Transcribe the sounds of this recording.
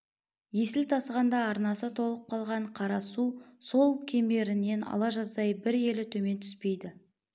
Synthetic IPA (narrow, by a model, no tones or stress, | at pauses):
je̞sɪlt̪ʰɑsʁɑnd̪ɑːɾnɑsət̪ʰo̞lˠəp̚qʰɑlˠʁɑɴqʰɑɾɑsuso̞lˠkʲʰe̞me̞ɾɪne̞nɑ̰lˠɑʒɑzd̪ɑjbɪɾe̞lɪt̪ʰɵme̞nt̪ʰʏ̥spe̞jd̪ɪ